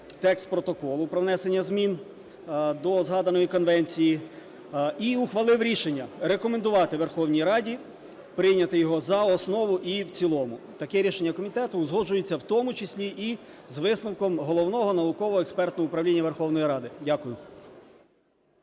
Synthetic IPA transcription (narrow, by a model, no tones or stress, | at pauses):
t̪ɛkst̪̚pɾɔt̪ɔkɔlˠʊpɾɔʋnɛsenʲːɐzmʲin | d̪ɔzɦɑd̪ɐnɔjikɔnʋɛnʲt͡sʲiji | iuxʋɐlˠɪʋɾʲiʃenʲːɐɾekɔmend̪ʊʋɑt̪ɪʋerxɔwnʲijɾɑdʲi | pɾɪjnʲɐt̪ɪjɔɦɔzɐɔsnɔʋʊʔiwt͡sʲilˠɔmʊ | t̪ɐkɛɾʲiʃenʲːɐkɔmʲit̪ɛt̪ʊzɦɔd͡ʒʊjet͡sʲːɐwt̪ɔmʊt͡ʃɪsʲlʲiʔi | zʋɪsnɐwkɔmɦɔlˠɔwnɔɦɔnɐʋʊkɔʋɔɛkspɛrt̪nɔɦɔʊpɾɐʋwlʲinʲːɐʋe̞rxɔwnɔjiɾɑd̪ɪdʲakʊjʊ